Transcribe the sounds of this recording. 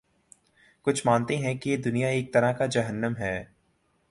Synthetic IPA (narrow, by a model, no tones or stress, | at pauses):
kʊt͡ʃʰmaːnt̪eɦɛ̃kijed̪ʊnijaeːk̚t̪ɐɾaɦkad͡ʒɐɦənːəmɦɛː